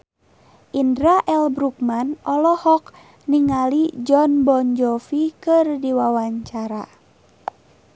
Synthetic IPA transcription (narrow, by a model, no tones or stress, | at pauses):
ʔindɾaʔɛlbɾuk̚manɔlɔhɔk | niŋalid͡ʒɔnbɔɲd͡ʒɔfikɨrdiwawaɲt͡ʃaɾa